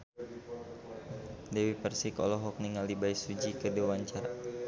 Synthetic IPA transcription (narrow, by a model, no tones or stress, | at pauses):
dɛwipərsikɔ̰lɔɦɔk̚niŋalibaisud͡ʒikədewaɲt͡ʃaɾa